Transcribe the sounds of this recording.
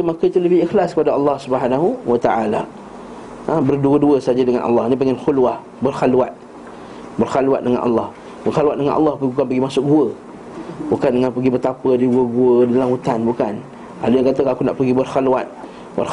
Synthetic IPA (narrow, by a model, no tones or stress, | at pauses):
umakəit̪uləbɪixlaskəpadaɑlːɑhsubəɦanaɦuwat̪aʔala̰ | əbərduəduəsad͡ʒadəŋanʔɑ̰lːɑnipəŋanxulwah | bərxalwat̪̚ | bərxaluwa̰t̪̚dəŋa̰nʔɑ̰lːɑh | bərxalwat̪̚dəŋa̰nʔɑ̰lːɑhpəɡibukanpəɡimasʊʔɡuə | bukandəŋanpəɡibət̪apədiɡuəɡuədalamhut̪anbukan | a̰dujaŋkat̪əkakuna̰ʔpəɡibərxaluwa̰t̪̚ | bə̰r